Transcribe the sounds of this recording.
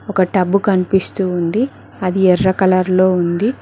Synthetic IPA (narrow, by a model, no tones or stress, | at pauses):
ɔkɐʈɐbːukɐnipist̪uːnd̪i | ɐd̪iɛrːɐkɐlɐɾlo̞ːund̪i